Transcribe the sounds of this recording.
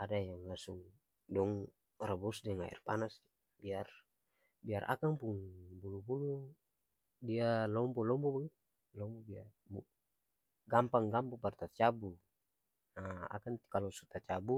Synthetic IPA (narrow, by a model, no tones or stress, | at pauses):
adajaŋlasuŋ | dɔŋ | rabɔsdɛŋa̰ḭrpanas | biar | biarʔa̰kaŋpuŋbulubulu | dialɔmbɔlɔmbɔbaɡit̪ | lɔmbɔbiar | bu | ɡampaŋɡampupart̪at͡ʃabu | aa̰kaŋkalɔsut̪at͡ʃabu